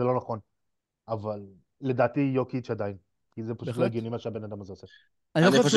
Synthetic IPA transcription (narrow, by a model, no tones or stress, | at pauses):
elo̞naχon | avalː | e̞daːt̪ijo̞kiʃead̪ain | kizepḁʃut̪laiɡjonimaʃeabe̞nad̪amazeose | anilos